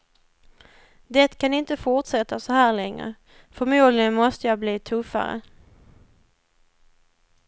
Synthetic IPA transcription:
d̪ɛt̪kʰanɪnt̪əfʊʈsɛt̪ːasɔhæːɭɛŋɾə̰ | fɔɾmuːd̪lɪənmɔst̪əjɑːbliːt̪ʰɵfːa̰ɾə̰

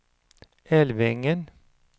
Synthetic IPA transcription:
ɛlʋɪŋən

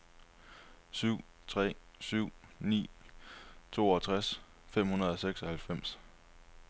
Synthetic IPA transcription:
syʊ̰ | t͡sʰʁɛ̰ː | syʊ̰nḭː | t͡sʰo̝̰ːɒt͡sʰʁas | fem̰hunɐð̞ˠɒseɡ̥sɒ̽hælfem̰s

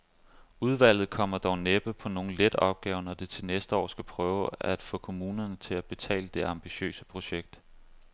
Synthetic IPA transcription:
uð̞ˠʋæl̰ð̞̩ˠkʰɒ̽m̰ɐd̥ɒʊneb̥əpʰɒ̽no̝ːn̩led̥ɒ̽b̥̚ɡ̥ɛːʊnɒd̥et͡sʰe̝nesd̥əɒ̰ːsɡ̥æpʰʁœːʊæd̥fɔ̽ːkʰo̝muːnɐnət͡sʰe̝læb̥e̝t͡sʰɛ̰ːləd̥e̝ɑ̈mb̥iɕø̰ːsəpʰʁo̝ɕeɡ̥̚d̥

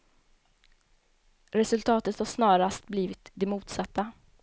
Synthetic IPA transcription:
ɾɛsɵlt̪ʰɑːt̪ət̪haʂnɑːɾast̪̚bliːvɪt̪d̪ɛmuːt̪sat̪ːa

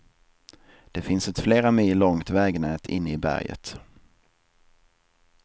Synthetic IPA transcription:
d̪̥ɛfɪnsɛt̪fleːɾamiːlːɔŋt̪vɛːɡnɛːt̪ʰɪ̰nːɪbæ̰ɾjə̰t̪

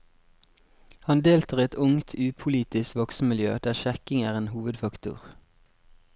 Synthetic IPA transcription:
hɑnd̪eːlt̪ʰəːʁɛt̪ʰʊŋt̪ʰʉːpʰʊliːt̪ɪskʋɔksmmɪljø̰ːd̪æːʁʃɛkɪŋæːʁeːnhuːʋəd̪fɑkt̪ʊ̰ʁ

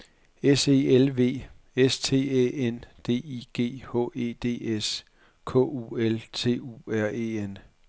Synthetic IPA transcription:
ese̝ːelʋe̝̰ː | est͡sʰe̝̰ːḛend̥e̝̰ːiɡ̥e̝̰ːhɔ̰̽ːe̝̰ːd̥e̝̰ːes | kʰɔ̰̽ːuːelt͡sʰe̝̰ːṵæɐ̰eːen

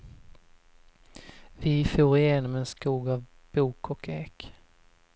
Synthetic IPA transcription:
vɪfuːɾɪjeːnɔmɛnskuːɡav | b̥uːkʰɔkʰeːk

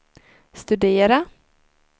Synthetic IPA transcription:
st̪ɵd̪eːɾa

